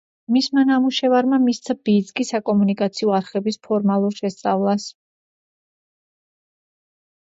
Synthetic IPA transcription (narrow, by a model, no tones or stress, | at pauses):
mismanamuʃɛvaɾmamist̪sʰabiːd̪skʼisakʼɔmunikʼat̪sʰiɔaɾχɛbispʰɔɾmalˠuɾʃɛst̪sʼavlˠas